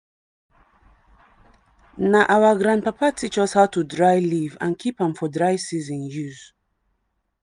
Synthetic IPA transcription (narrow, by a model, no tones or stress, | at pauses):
naʔawaɡɹãndpapatʰit͡ʃɔshawtudɹajlivã̰nkʰipãmfɔdɹaɪsizĩnjuz̥